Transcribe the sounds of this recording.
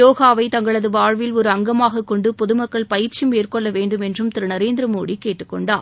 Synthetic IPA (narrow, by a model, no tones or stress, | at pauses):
joːɣaːʋɐɪt̪ɐŋɡɐɭɐðɯʋaːɻʋɪlɔɾɯɐŋɡɐmaːɣɐkːɔɳɖɯpɔðɯmɐkːɐɭpɐjɪɾt͡ʃimeːrkɔɭːɐʋeːɳɖɯmɛndrɯmt̪ɪɾɯnɐɾeːnd̪ɾɐmoːɽikːeːʈːɯkːɔɳɖaːɾ